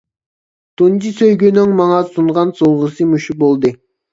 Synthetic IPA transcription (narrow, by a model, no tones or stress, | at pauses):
t̪ʰund͡ʒisøjɡʲynyŋmɑŋɑsuɴʁɑnsoʁəsɨmuʃubolˠd̪ɨ